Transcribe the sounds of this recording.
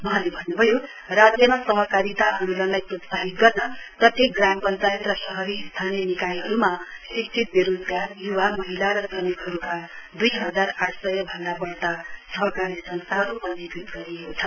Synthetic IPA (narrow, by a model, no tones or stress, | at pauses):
mʌɦãlebʱʌnːubʱʌjo | rad͡zjʌmasʌɦʌkaɾit̪aʌnulʌnlajprʌt̪saɦit̪̚ɡʌrnʌt̪ʌt̪ʰikɡrampʌnt͡sajet̪rʌsʌɦʌɾist̪ʰanijʌnikajɦʌɾumasik̚t͡sʰit̪̚biɾud̪kajuwamʌɦilaɾʌd͡zʌnikɦʌɾukad̪ujɦʌd͡zaraʈʰsʌjʌbʱʌnlabʌɽʈ̪asʌɦʌkaɾisʌnst̪aɦɾupʌnːekit̪ɡʌɾiekot͡sʰʌ